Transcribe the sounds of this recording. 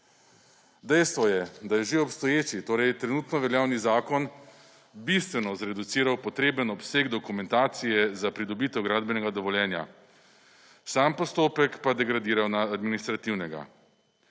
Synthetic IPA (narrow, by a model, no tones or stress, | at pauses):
d̪ɛjst̪ʋɔjɛd̪ajɛʒeɔpst̪ɔjeːt͡ʃit̪oːɾɛjt̪ɾɛnuːt̪nɔʋɛljaːwnizaːkɔn | bist̪ʋɛnɔzɾɛd̪ut̪siːɾawpɔt̪ɾeːbənɔpseːɡd̪ɔkumɛnt̪aːt̪sijɛzapɾid̪ɔbiːt̪ɛwɡɾaːd̪bɛnɛɡad̪ɔʋɔljɛːnja̰ | saːmpɔst̪oːpɛkpad̪ɛɡɾad̪iːɾawnaːd̪minist̪ɾat̪iwnɛɡa̰